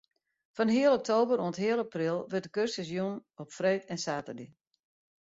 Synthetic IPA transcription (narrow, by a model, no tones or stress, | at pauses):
fɔnɦiəlˠɔk̚tʰoːbəɾonəthiəlˠaprɪlˠʋɪrtdəkørstəzjunɔpfreːtɛnsaːtərdi